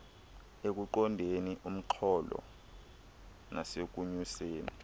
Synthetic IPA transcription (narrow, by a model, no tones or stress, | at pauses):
ek̬uǃɔndʱeniʔum̩ǃʰɔlɔ̰ | nʔasek̬uɲuseːni